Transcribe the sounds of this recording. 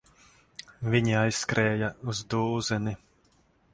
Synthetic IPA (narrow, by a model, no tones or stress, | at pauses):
vʲiɲiajskɾɛːjauzd̪uːzɛni